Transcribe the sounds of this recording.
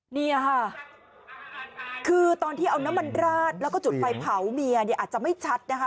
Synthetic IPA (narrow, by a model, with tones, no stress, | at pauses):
niː˥˩a˧˩kʰa˥˩ | kʰɯː˧t̪ɔː˧nt̪ʰiː˥˩ʔa˧wna˦˥mːa˧nɾaː˥˩t̪̚lɛ˦˥kɔː˥˩t͡ɕu˨˩t̪̚pa˧jpʰa˩˦wmi˧ɐni˥˩ʔaː˨˩t͡ɕa˨˩ma˥˩jt͡ɕʰa˦˥t̪̚na˦˥kʰa˦˥